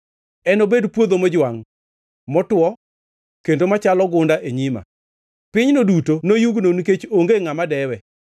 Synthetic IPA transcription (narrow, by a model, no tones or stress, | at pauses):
ɛnobedpwod̪omɔd͡ʒwaŋ | mɔtwɔ | kendomat͡ʃalɔɡʊndaʔeɲima̰ | pɪɲnodutonojuɡnonket͡ʃoŋɡeŋamadɛwɛ